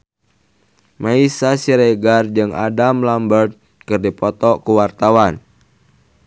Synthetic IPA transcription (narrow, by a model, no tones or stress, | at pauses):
maisasiɾeɡard͡ʒɨŋa̰damlambərt̪̚ | kɨrdipɔt̪ɔkuwart̪awan